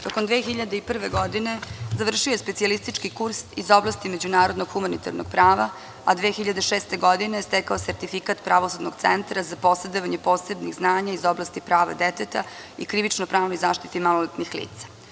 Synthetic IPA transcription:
d̪okond̪ʋeːxiʎad̪eipr̩ʋeɡod̪ine̞zaʋr̩ʃiojespetsialist̪it͡ʃkikuɾsizoblˠast̪ime̞d͡ʑunaːɾod̪noɡxumanit̪a̰ɾnoɡ̥̚pɾaːʋa | ad̪ʋeːxiʎad̪eʃeːst̪e̞ɡod̪inest̪ɛkaoseɾt̪ifikat̪pɾaʋosud̪noɡt̪sḛnt̪ɾazapo̞sed̪oʋaɲepo̞ːsebniɣznaːɲaizoblast̪ipɾaːʋa̰d̪et̪et̪a̰ | ḭkɾiʋit͡ʃnopɾaːʋnojzaːʃt̪i̥t̪imalolet̪nixlḭːt̪sḁ

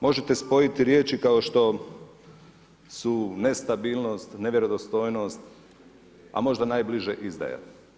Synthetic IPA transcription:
mo̞ʒet̪espo̞jit̪iɾjeːt͡ʃikaoʃt̪o̞ | sune̞st̪abiːlˠno̞st̪ne̞ʋjeɾo̞d̪ost̪o̞ːjno̞st̪ | a̰mo̞ʒd̪anaːjbliʒeʔizd̪a̰ja̰

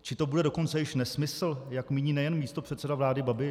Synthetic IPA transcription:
t͡ʃɪt̪o̞budɛdo̞ko̞nt͡sɛjɪʃnɛsmɪsl̩jakmiːɲiːnɛjɛnmiːst̪o̞pr̥ɛt̪sɛdavlaːdɪbabɪ

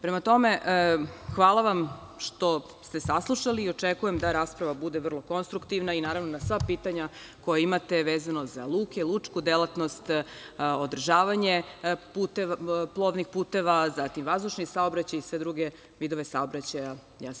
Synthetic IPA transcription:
pɾe̞mat̪o̞meʔxʋaːlˠaʋam | ʃt̪o̞ | st̪e̞saslˠuʃaliːo̞t͡ʃekujemd̪aɾaːspɾaʋabud̪eʋr̩lˠo̞ko̞nst̪ɾukt̪iʋnainaːɾaʋnonasʋapiːt̪aɲa | ko̞jaimat̪e̞ʋeːzanoza̰lˠuːkelˠut͡ʂkud̪elˠat̪nost̪od̪r̩ʒaːʋaɲeput̪eplˠo̞ʋnixpuːt̪e̞ʋazat̪imʋazd̪uʃnisaobɾat͡ɕajisʋe̞d̪ɾuɡe̞ | ʋid̪oʋesaobɾat͡ɕaja | jaːs

